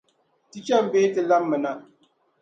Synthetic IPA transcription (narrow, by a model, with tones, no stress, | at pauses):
ti˦t͡ʃa˦m˨beː˦tɨ˨la˦mːɨ˨na˦